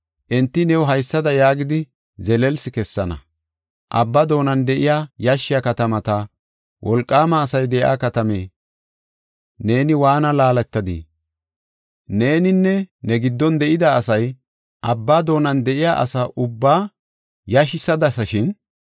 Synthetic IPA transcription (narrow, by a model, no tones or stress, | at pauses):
ʔɛnt̪ːɪnɛwɦɐjsːɐd̪ɐjaːɡɪd̪ɪ | zɛlɛlsɪkɛsːɐnɐ̰ | ʔɐbːɐd̪o̞ːnɐnd̪ɛʔɪjajaʃːɪjɐkɐt̪ɐmɐt̪ɐ | wʔɔlkʼːaːmɐːsɐjd̪ɛja̰ːkɐt̪ɐme̞̰ː | ne̞ːnɪwaːnɐlaːlɐt̪ːɐd̪ḭ | ne̞ːnɪnːɛnɛɡɪd̪ːɔnd̪ɛʔɪd̪ɐːsɐj | ʔɐbːad̪o̞ːnɐnd̪ɛʔɪjaːʔɐ̰saʔʊbːaː | jaʃɪsɐd̪ɐsɐʃɪn